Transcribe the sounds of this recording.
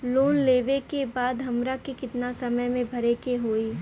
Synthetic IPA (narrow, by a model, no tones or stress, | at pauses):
loːnleːʋekebaːd̪ɦɐmɾakikɪt̪nasɐməjmẽbʱɐɾekeɦoːiː